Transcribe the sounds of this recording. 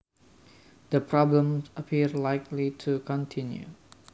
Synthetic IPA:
d̥əpʰɹɔblə̃msəpʰiɹlajklitʰukʰɔ̃ntʰĩnjṵ

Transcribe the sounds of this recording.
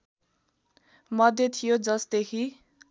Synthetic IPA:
mʌd̪ʱjet̪ʰijod͡zʌsd̪ekʰi

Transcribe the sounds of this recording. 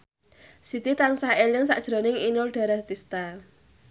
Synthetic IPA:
sit̪it̪aŋsahelɪŋsaʔd̥ʒ̥ɾo̤nɪŋinʊlɖ̥a̤ɾaht̪ist̪al

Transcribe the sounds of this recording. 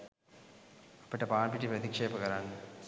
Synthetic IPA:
ɐpːɐʈːɐpaːnpiʈːipɾɐt̪ikʂeːpɐkɐɾaːnu

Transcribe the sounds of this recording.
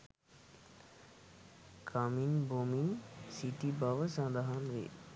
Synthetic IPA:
kʰaminbominsiʈibaʋəsãd̪aɦanʋḭ

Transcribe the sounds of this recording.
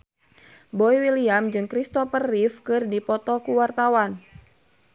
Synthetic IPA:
bɔiwiliamd͡ʒɨŋkɾist̪ɔfərːifkɨrdipɔt̪ɔkuwart̪awan

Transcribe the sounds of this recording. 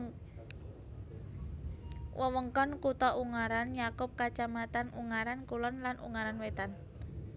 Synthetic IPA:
wəwəŋkɔnkut̪ɔʔuŋaɾanjakʊp̚kat͡ʃamat̪anuŋaɾankulɔnlanʔṵŋaɾanwet̪an

